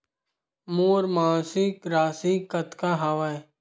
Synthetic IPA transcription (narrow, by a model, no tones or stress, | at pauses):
moːɾmãːsikɾaːsikɐt̪kaɦaʋae